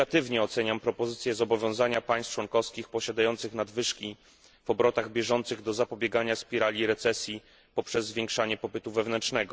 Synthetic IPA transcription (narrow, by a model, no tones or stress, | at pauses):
at̪ɘvɲɛɔt̪sɛɲampɾɔpɔzɘt̪sʲjɛzɔbɔvʲjɔ̃w̃zaɲapaj̃st͡ʂwɔŋkɔfskʲixpɔɕad̪ajɔnt̪sɘxnad̪vɘʂkʲi | v̥ɔbɾɔt̪aɣbʲjɛʐɔnt̪sɘɣd̪ɔzapɔbʲjɛɡaɲaspʲiɾalʲiɾɛt̪sɛsʲji | pɔpʂɛzːvʲjɛ̃ŋkʂaɲɛpɔpɘt̪uvɛvnɛnt͡ʂnɛɡɔ